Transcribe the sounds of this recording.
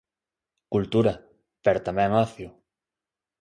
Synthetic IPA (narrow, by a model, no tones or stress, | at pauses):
kult̪uɾɐ | pɛɾot̪amɛ̃ŋɔθjʊ